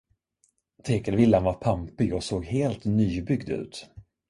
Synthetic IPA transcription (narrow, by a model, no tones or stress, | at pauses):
t̪ʰeːkəlvɪlːanvaɾpʰampɪɔsoːɡheːlt̪nyːbʏɡd̪ʉ̟̰ːt̪